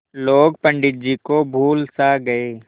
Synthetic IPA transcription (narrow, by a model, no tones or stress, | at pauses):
loːɡpə̃ɳɖɪt̪̚d͡ʒikobʱuːlsaɡɐeː